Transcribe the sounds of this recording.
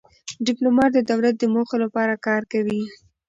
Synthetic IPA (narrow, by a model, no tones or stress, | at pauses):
ɖɪplomɑʈ̚d̪əd̪awlat̪̚d̪əmoxolapɑɾakɑɾkawi